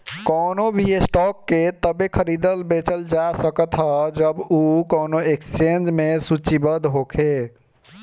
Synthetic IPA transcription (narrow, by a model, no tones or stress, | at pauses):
kɔnobʱiesʈɔkːet̪əbekʰəɾid̪əlbet͡ʃəld͡ʒasəkət̪ɦəd͡ʒəbukonoekst͡ʃend͡ʒmesut͡ʃibəd̪ɦokʰe